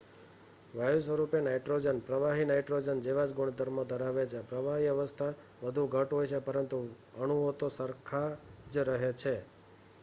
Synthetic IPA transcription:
ʋajusʋəɾupenajʈɾod͡ʒənpɾəʋaɦinajʈɾod͡ʒənd͡ʒeʋad͡ʒɡuɳ̃d̪əɾmõd̪ʱəɾaʋet͡ʃʰepɾəʋaɦiəʋəst̪ʰa | ʋəd̪ʱuɡʱəʈɦojt͡ʃʰepəɾənt̪u | əɳ̃uot̪osəɾkʰad͡ʒɾəɦet͡ʃʰe

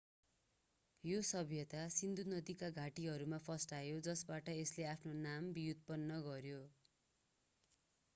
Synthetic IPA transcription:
josʌbʱjʌt̪asind̪unʌd̪ikaɡʱaʈiɦʌɾumapʰʌsʈajod͡zʌsbaʈʌesleapʰnonambijut̪̚pʌnːʌɡʌɾjo

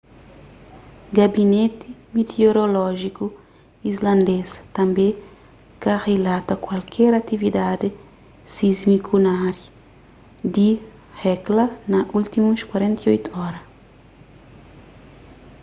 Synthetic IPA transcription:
ɡabinet̪ɪmet̪eoɾolɔʒiku | izlɐ̃nd̪est̪ɐ̃mbẽ | kɐrelat̪ɐkwalkʰɛɾat̪ivid̪ad̪ɪ | sizmikʰunaɾju | d̪i | hɛklɐnɐʔult̪imuskwaɾẽnt̪ɐojt̪uɔɾɐ

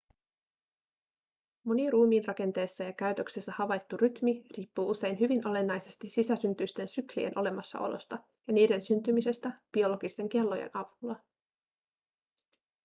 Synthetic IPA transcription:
mo̞niruːmiːnrɑke̞nt̪e̞ːsːæjɑkæɥt̪ø̞ksesːæhɑʋɑjt̪ːuryt̪miriːpːuːuse̞jnɦyʋinʔo̞le̞nːɑjse̞st̪isisæsynt̪yst̪e̞nsyklḭḛnʔo̞le̞mɑsːɑ̰ʔo̞lo̞̰st̪ɑ | jɑniːde̞nsynt̪ymise̞st̪æb̥io̞lo̞ɡist̪e̞ŋke̞lːo̞jḛnʔɑʋulːɑ

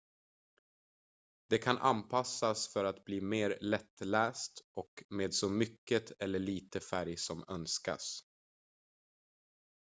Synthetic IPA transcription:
d̪̥ɛkʰanʔa̰npʰasːasfœɾat̪bliːmeːɾlɛt̪ːlæːst̪ʔɔkmeːd̪sɔmʏkːət̪ʰɛlːəɭiːt̪əfæɾjsɔmœnska̰s

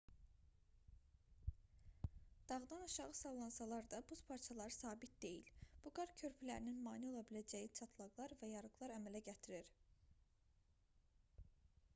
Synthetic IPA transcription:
d̪̥ɑʁd̪ɑnɑʃɑʁɯsɑlˠlˠɑnsɑlˠɑɾd̪ɑbuspʰɑɾt͡ʃʰɑlˠɑɾɯsɑːbit̪̚d̪e̞jḭlb̥uɡɑɾcʰø̞ɾpʰylæɾininmɑːnio̞lˠɑbilæd͡ʒæjit͡ʃʰɑt̪ʰlˠɑɡlˠɑɾvæjɑɾɯɡlˠɑɾæmælæɟæt̪ʰiɾiɾ

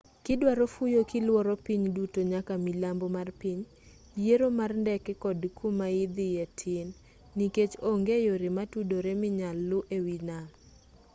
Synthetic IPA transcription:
kɪdwaɾofujokɪlwɔɾɔpiɲdutoɲakamilambomarpiɲ | jeɾomarndɛkɛkɔdkʰumaɪd̪ɪjetʰɪnː | iket͡ʃoŋɡejoɾɪmatudoɾemɪɲalːʊʔewina

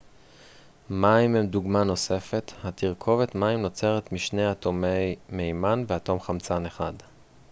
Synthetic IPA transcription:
maimemduɡmano̞se̞fe̞thatiʁkʰo̞vetmaimno̞t͡se̞ʁetmiʃne̞jatome̞jmejmanveato̞mχamt͡sane̞χad

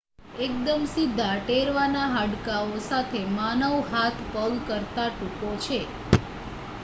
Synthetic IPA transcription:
ek̚d̪əmsɪd̪ʱːaʈeɾʋanaɦəɖkaosat̪ʰemanəʋɦat̪ʰpəɡkəɾt̪aʈukot͡ʃʰe

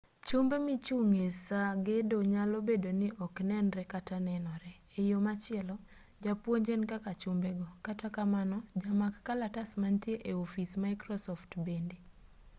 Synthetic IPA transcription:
t͡ʃumbemɪt͡ʃuŋesaɡedoɲalobedonɪʔɔknɛnɾɛkatanɛnɔɾɛːjomat͡ʃɪɛlɔ | d͡ʒapwoɲd͡ʒenkakat͡ʃʊmbɛɡɔkatakamanɔd͡ʒamakːalatasmantjeʔeofismaɪkɾɔsɔftbende

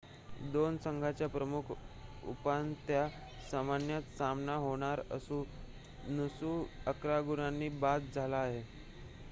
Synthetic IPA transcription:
d̪onsəŋɡʱat͡ɕjapɾəmukʰṵpant̪ja | samanjat̪samnaɦoɽ̃aɾə̰sũː | nəsuːəkɾaɡuɽ̃anːiːbat̪̚d͡zʱalaːɦe

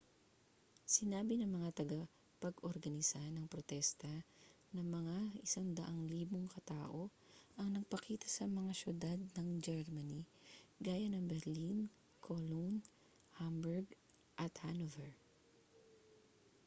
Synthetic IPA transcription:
sɪnaːbɪnɐŋmɐŋat̪ɐɡɐ | pɐɡʔoɾɡɐnɪsanɐŋpɾot̪ɛst̪ɐ | nɐŋmɐŋaɪsaŋd̪ɐʔaŋliːboŋkɐt̪aːʔo | ʔɐŋnɐɡ̚pɐkiːt̪ɐsɐmɐŋaʃjʊd̪ad̪̚nɐŋd͡ʒɛɹmɐniɡaːjɐnɐŋbɛɾlin | kʰolon | hambɛɹɡ | ʔɐt̪hanovɛɹ

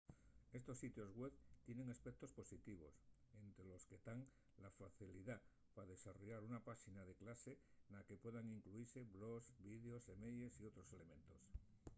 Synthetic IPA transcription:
e̞st̪o̞sːit̪jo̞zɣweβt̪je̞ne̞ŋaspek̚t̪o̞spo̞sit̪iβ̞o̞̰s | ent̪ɾelo̞ske̞t̪aŋ | lafaθiliða | paðe̞saro̞ʝaɾunapaʃinaðe̞klase̞nake̞pwe̞ðaŋiŋkluiɾse̞βlosbiðeo̞semejʎesio̞t̪ɾo̞se̞le̞mẽ̞nt̪o̞s

